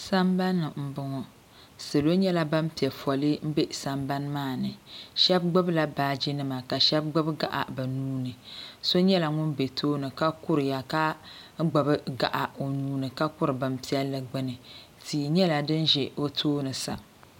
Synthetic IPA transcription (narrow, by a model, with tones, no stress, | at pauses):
sa˦mba˦nːɨ˨m̩˨bʊ˨ŋɔ˨ | sɨ˨lo˦ɲɛ˦la˦ba˦m˦pi˨ɛ˨fɔ˨lɨ˦m̩˦be˦sa˦mba˦n˦maː˦˨nɨ˨ʃɛ˦b̚ɡ͡bɨ˦bla˨baː˨d͡ʒi˦nɨ˦ma˨ka˨ʃɛ˦b̚ɡ͡bɨ˦bɡa˨ʔa̰˨ba˨nuː˦nɨ˨so˦ɲɛ˦la˨ŋʊ˦nbe˨tʰoː˦nɨ˨ka˦kʊ˦ɾɨ˨ja˨ka˦ | ɡ͡bɨ˨bɨ˦ɡa̰˨ʔa˨o˨nuː˦nɨ˨ka˦kʊ˦ɾɨ˨ba˨mpi˦ɛ˦lːɨ˦ɡ͡bɨ˦nɨ˨ | tʰiː˨ɲɛ˦la˨dɨ˦nʒɛ˨o˦tʰoː˦nɨ˨sa̰˨